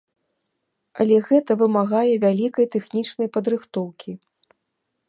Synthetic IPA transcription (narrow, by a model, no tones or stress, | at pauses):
ɐlʲɛɣɛt̪ɐvɨmaɣajɛvʲalʲikɐjt̪ɛxnʲit͡ʂnɐjpɐd̪ɾɨxt̪ɔwkʲʰi